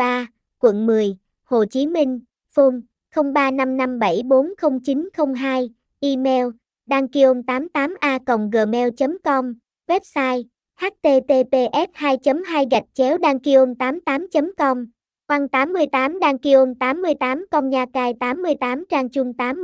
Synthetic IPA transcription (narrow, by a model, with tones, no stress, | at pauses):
aː˧ | kwə̰˧˨nmɨ˨˩əj | ho̰˨˩t͡ɕi˨˦mï˧ŋ̟ | fu˧m | xə˧wŋ͡mɓaː˧na˧mna˧mɓa˧˩jɓo˨˦nxə˧wŋ͡mt͡ɕi˨˦nxə˧wŋ͡mɦaː˧j | ʔi˧mɛ˧w | ɗaː˧ŋki˧ʔo˧mt̪aː˨˦mt̪aː˨˦mʔaː˧kə̰˨wŋ͡mɣəː˨˩mɛ˧wt͡ɕə˨˦mkɔ˧m | wɛ˦˥p̚saː˧j | haː˦˥t̚t̪e˧t̪e˧t̪e˧ʔɛ˦˥t̚haː˧jt͡ɕə˨˦mɦaː˧jɣa˨˩jk̚t͡ɕɛ˨˦wɗaː˧ŋki˧ʔo˧mt̪aː˨˦mt̪aː˨˦mt͡ɕə˨˦mkɔ˧ŋ͡m | kwa˧ŋt̪aː˨˦mːɨ˧əjt̪aː˨˦mɗaː˧ŋki˧ʔo˧mt̪aː˨˦mːɨ˧əjt̪aː˨˦mkɔ˧ŋ͡mɲaː˧kaː˧jt̪aː˨˦mːɨ˧əjt̪aː˨˦mt͡ɕaː˧ŋt͡ɕʊ˧ŋ͡mt̪aː˨˦m